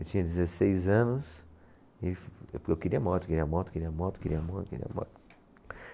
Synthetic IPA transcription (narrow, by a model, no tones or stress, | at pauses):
ewt͡ʃĩɲɐd͡ʒɪzesejzɐ̃nʊs | ɪewkeɾiɐmɔɾtʊkeɾiɐmɔɾt̪ʊ̥keɾiɐmɔɾt̪keɾiɐmɔɾkḛɾḭɐ̰mɔ̰ɾt̪